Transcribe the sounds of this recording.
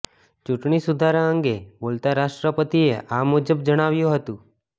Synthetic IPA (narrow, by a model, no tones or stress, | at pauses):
t͡ʃuʈɳisud̪ʱaɾãə̃ŋɡebolt̪aɾaʃʈɾəpət̪ieʔamud͡ʒəbd͡ʒəɽ̃aʋjũɦət̪ũ